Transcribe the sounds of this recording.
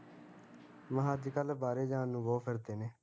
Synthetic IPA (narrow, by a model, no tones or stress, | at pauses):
məɦãːd̪ikəlbaːɾeːd͡ʒãːnːũːbɔːpʰəɾd̪eːneː